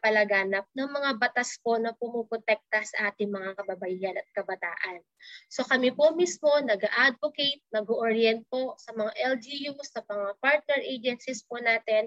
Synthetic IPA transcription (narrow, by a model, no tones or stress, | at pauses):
pɐlɐɡaːnɐp̚nɐŋmɐŋabɐt̪aspo̞nɐpʊmupɾot̪ɛk̚t̪ɐsɐʔaːt̪ɪŋmɐŋakɐbɐbɐʔiːhɐnɐt̪̚kɐbɐt̪a̰ːʔɐnso̞kɐmipomismo̞nɐɡaʔad̪̚vokejt̪̚nɐɡoʔoɹjɛnt̪̚po̞sɐmɐŋaʔɛld͡ʒijusɐmɐŋapaɹt̪̚nɛɹʔejd͡ʒɛnsɪsponaːt̪ɛn